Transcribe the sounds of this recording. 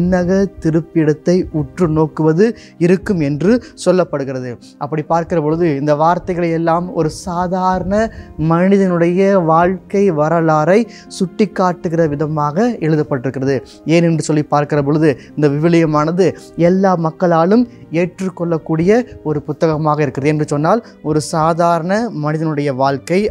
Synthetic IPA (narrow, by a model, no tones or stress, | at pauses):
nːɐɣɐt̪ɪɾɯpːɪɽɐt̪ːɐɪʊʈrɯnoːkɯʋɐðɯ | ɪɾɯkːɯmɛndrɯsɔlːɐpːɐɽɯɣɪɾɐðɯ | ʔɐpːɐɽipaːɾkɪrɐpɔɻɯðɯɪnd̪ɐʋaːɾt̪ɐɪɣɐɭɐjɛlːaːmɔ̰ɾɯsaːðaːɾɐɳɐmɐɳɪðɐnɯɽɐjɐʋaːɻkɐɪʋɐɾɐlaːɾɐɪ | sʊʈːɪkːaːʈːɯɣɪrɐʋɪðɐmaːɣɐɛɻɯðɐpːɐʈːɪɾɯkːɪrɐðɯ | eːnɛndrɯsɔlːipːaːɾkɪrɐp̬ɔɻɯðɯɪnd̪ɐʋɪʋɪlɐjɐmaːnɐðɯ | ɛlːaːmɐkːɐɭaːlɯmeːʈrɯkːɔɭːɐkːuːɽɪjɐɔɾɯpʊt̪ːɐɣɐmaːɣɐɪɾɯkːɪrɐðɯɛndrɯsɔnːaːl | ɔɾɯsaːðaːɾɐɳɐmɐnɪðɐnɯɽɐjɐʋaːɻkɐɪ